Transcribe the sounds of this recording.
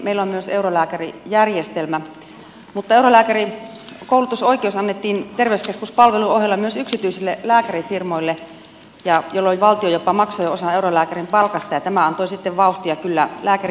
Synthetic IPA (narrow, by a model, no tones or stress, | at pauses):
meilːommyøseurolæːkærijærjest̪elmæ | mut̪ːɑeurolæːkæri | koˑulut̪usoikˑeousɑnːet̪ːiːnt̪erʋeyskeskuspɑlʋeluoɦjelːɑmyøsyksit̪yˑisilːelæːkærifirmoilːe | jɑjolːolʲʋɑlt̪iojopːɑmɑksojoosɑeurolæːkærimpɑlkɑst̪ɑjɑt̪æmæɑnt̪oisit̪ːeʋʋɑˑuht̪iɑkylːælæːkæri